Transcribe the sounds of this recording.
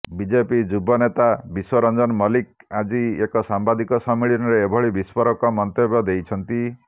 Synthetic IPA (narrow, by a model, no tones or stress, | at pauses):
bid͡ʒepid͡ʒubɔnet̪abiswɔɾɔnd͡ʒɔnmɔlik̚ad͡ʒiekɔsambad̪ikɔsɔmiɭinɔɾeːbʱɔɭibispɔɾɔkɔmɔnt̪ebɔd̪ejt͡ʃʰɔnt̪i